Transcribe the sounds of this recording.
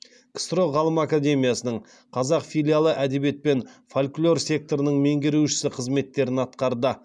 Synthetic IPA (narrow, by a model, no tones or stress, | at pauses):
kʲst̪ɾo̞ʁɑlˠəmakad̪e̞mʲijasənəɴ | qʰɑzɑqfʲijlʲjalˠəʔæd̪e̞be̞t̪̚pe̞nfalʲklʲo̞rsʲe̞k̚t̪o̞ɾənəɴme̞ŋɡʲɪɾuʃɪ̥sɪqʰəzme̞t̪ːe̞ɾɪnɑt̪qɑɾd̪ə